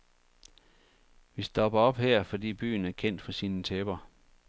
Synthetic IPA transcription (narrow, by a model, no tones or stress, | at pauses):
ʋisd̥ɒ̽b̥ɐɒ̽b̥hɛɐ̰fɒ̽d̥ḭːb̥y̰ːn̩æɐkʰen̰d̥fɒ̽siːnət͡sʰeb̥ɐ